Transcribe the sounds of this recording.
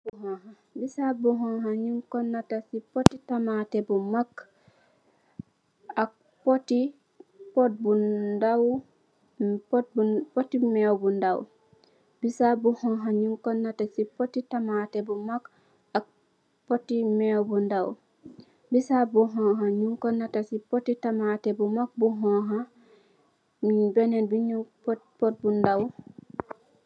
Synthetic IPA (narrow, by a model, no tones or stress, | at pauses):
ɦɔha | bisabuɦɔ̃ɦaɲuŋkɔnːatasipotitamatɛbumak | ak̚ | poti | pot̚budaw | bupotimɛwbundaw | bisabuhɔɦaɲuŋkɔnːatasipotitamatɛbumak | ak̚ | potimɛwbundaw | bisabuɦɔɦaɲuŋkonːatasipotitamatebumak̚buɦɔɦa | mibɛnenbiɲuppot̚bundaw